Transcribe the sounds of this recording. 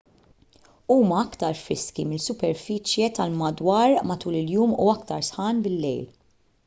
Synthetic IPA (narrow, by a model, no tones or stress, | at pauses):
uːmɐɐkt̪ɐɾfɾɪskimɪlsʊpɛɾfɪːt͡ʃjɛt̪ɐlmɐd̪wɐːɾmɐt̪uːlɪljuːmṵɐkt̪ɐɾsħɐːnbɪlːɛ̰jl